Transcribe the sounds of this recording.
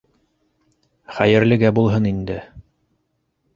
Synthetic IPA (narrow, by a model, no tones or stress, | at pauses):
χæjɘ̆ɾlɘ̆ɡæbulˠɦɤnind̪ɘ